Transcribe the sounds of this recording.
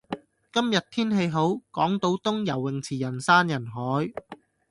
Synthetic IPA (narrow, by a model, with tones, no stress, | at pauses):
kɐ˥mjɐ˨t̚t̪ʰiː˥nɦe˧jɦo˨˥wkɔː˨˥ŋt̪o˧˥wt̪ʊ˥ŋjɐ˨˩wːɪ˨ŋt͡sʰiː˨˩jɐ˨˩nsaː˥njɐ˨˩nɦɔː˨˥j